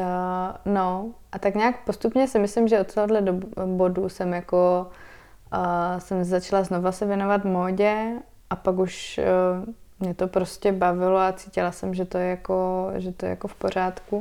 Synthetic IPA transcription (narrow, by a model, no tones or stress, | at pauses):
no̞ʔat̪akɲaːkpost̪upɲɛsɪmɪslɪmʒɛot̪t̪ːoɦodlɛdobo̞dusɛmjako | sɛmzat͡ʃalaznovasɛvjɛnovat̪moːɟɛ | ʔapakuʃ | mɲɛt̪o̞pɾoscɛbavɪloat͡siːcɪlasɛmʒɛt̪ojɛjakoʒɛt̪ojɛ̰ja̰kofpo̞ɾ̝aːt̪ku